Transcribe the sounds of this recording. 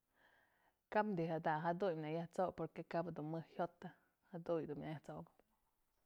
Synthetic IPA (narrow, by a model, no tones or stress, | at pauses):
kapnd̪iɦad̪aɦad̪ujmnajaht͡sokpoɾkekabad̪unmɨhhjot̪ːa | had̪ujd̪unmʲnajaht͡soɡɨp